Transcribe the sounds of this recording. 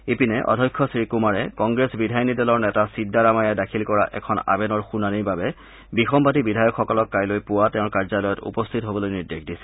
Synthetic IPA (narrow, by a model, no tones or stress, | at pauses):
epinɛʔɔ̰dʱɔjkʰːɔsɹikumaɹɛkɔŋɡɹesbidʱajɔnidɛlɔɹnɛtasidːaɹamajadakʰilkɔɹa̰ʔɛ̰kʰɔna̰bɛnɔɹxunaniɹbabɛ | bixɔmpatibidʱajɔkxɔkɔlɔkːajlojpʊwatɛ̃ʊ̃ɹkaɹzalɔjɔtṵpɔstʰitɦobɔlojniɹdexdisɛ̥